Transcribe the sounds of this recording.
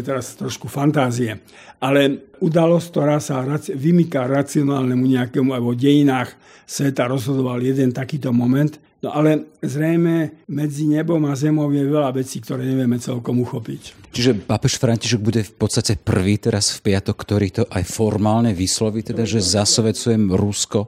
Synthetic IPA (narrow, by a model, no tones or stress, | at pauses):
t̪ɛɾast̪ɾɔʃkufant̪aːziɛ | ʔalɛud̪alɔsk̚t̪ɔɾaːsaɾaʋimikaɾat͡siɔnaːlnɛmuɲɛakɛmuabɔɟɛjinaːx | sʋɛt̪aɾɔzɦɔd̪ɔʋaljɛd̪ɛnt̪akiːt̪ɔmɔmɛnt̪ | nɔʔalɛzɾɛjmɛmɛd͡ziɲɛbɔmazɛmɔʊjɛʋɛlaʋɛt͡siːkt̪ɔɾɛːɲɛʋɪjɛmɛt͡sɛlkɔmuxɔpict͡ʃiʒɛpapɛʃfɾaɲciʃɛɡ̚buɟɛfpɔt̪st̪acɛpr̩ʋiːt̪ɛɾasfpɪat̪ɔkːt̪ɔɾiːt̪ɔʔajfɔɾmaːlɲɛʋislɔʋiːt̪ɛd̪aʒɛzasʋɛt͡sujɛmɾuskɔ